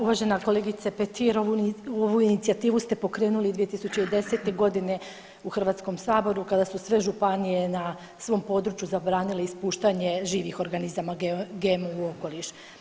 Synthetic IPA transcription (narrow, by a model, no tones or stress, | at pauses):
uʋaʒe̞nako̞le̞ɡit̪sapet̪ʰiɾoʋuoʋuinit̪siat̪iːʋust̪e̞po̞kɾe̞ːnulid̪ʋije̞t̪isut͡ɕeid̪e̞se̞t̪e̞ɡo̞d̪ine̞ | uxrʋaːt̪sko̞msaːbo̞ɾukad̪asusʋe̞ʒupanije̞na | sʋo̞ːmpo̞d̪ɾut͡ʃjuzabɾaːnileispuːʃt̪aɲe̞ʒiːʋixo̞ɾɡanizamaɡɡemuuo̞ko̞liʃ